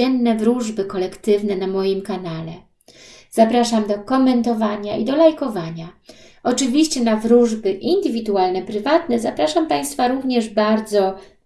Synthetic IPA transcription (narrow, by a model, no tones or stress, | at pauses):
ɛnːɛvɾuʐbɘkɔlɛkt̪ɘvnɛnamɔjimkanalɛ | z̥apɾaʂamd̪ɔkɔmɛnt̪ɔvaɲaʔid̪ɔlajkɔvaɲa | ɔt͡ʂɘvʲiɕt͡ɕɛnavɾuʐbɘʔind̪ɘvʲid̪ualnɛpɾɘvat̪nɛzapɾaʂampaj̃st̪faɾuvɲɛʐbaɾd̪zɔ